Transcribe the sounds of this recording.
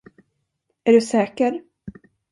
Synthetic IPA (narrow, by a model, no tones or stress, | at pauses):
æɖɵsɛːkəɾ